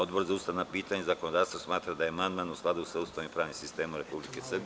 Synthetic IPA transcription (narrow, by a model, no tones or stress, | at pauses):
od̪bo̞ɾzaust̪aʋnapiːt̪aɲezako̞nod̪aːʋst̪vosmaːt̪ɾad̪ajemand̪manusklad̪uusʋeust̪aːʋnimpɾaːʋnimsist̪e̞ːmuɾe̞publikesr̩bie